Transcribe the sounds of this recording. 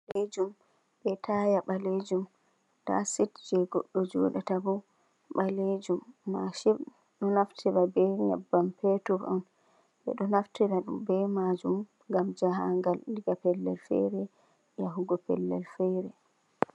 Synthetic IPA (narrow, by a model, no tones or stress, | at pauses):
led͡ʒum | ɓɛtʰajaɓaled͡ʒum | ta̰sitd͡ʒɛɡɔɗːɔd͡ʒo̰ɗatabɔ | ɓaled͡ʒumːaʃi | ɗɔnaftʰɛɾabɛŋa̰bːampɛtuɾɔn | ɓɛ̰ɗɔnaftɛɾaɗṵmbɛmad͡ʒum | ɡamd͡ʒaɦaŋɡalndiɡapɛlːɛ̰lfɛ̰ɾɛ | jaɦuɡɔpɛ̰lːɛ̰lfɛɾɛ